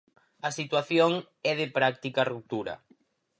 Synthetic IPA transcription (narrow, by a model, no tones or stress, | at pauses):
ɐsit̪waθjoŋ | ɛðɪpɾak̚t̪ikarup̚t̪uɾɐ̰